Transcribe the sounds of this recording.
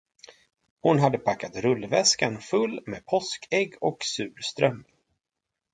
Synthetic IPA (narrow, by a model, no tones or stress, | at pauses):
hʊnɦad̪ːəpʰakːat̪ɾɵlvɛskanfɵlːmḛːpʰɔskʰɛɡːɔksʉ̟ːɾst̪ɾœm